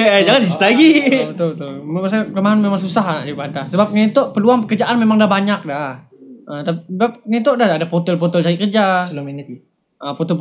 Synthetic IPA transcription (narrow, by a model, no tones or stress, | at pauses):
d͡ʒaŋant͡ʃist̪aɡit̪ot̪ʊlmasakəmaɦanmemaŋs̬usaɦana̰ʔd͡ʒabadasəbap̚nit̪oʔpəluaŋpəkərd͡ʒaʔanmemaŋdabaɲak̚dah | ət̪apbap̚nit̪̬odahadapot̪ɛlp̬ot̪ɔlt͡ʃaikərd͡ʒamin | əpɔt̪ɔp